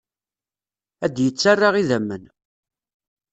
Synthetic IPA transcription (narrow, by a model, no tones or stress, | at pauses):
æd̪jət͡sːarːaʁiðæmːən